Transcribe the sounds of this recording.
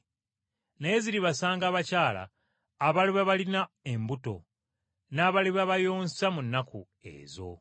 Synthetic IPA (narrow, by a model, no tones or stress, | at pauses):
neeziɾiβasaːŋɡaːβacaːla̰ː | βaliβaβalina | e̞mbuto̞̰ | naːβaliβaβajo̞ːnsamunːakʰu | e̞̰ːzo̞̰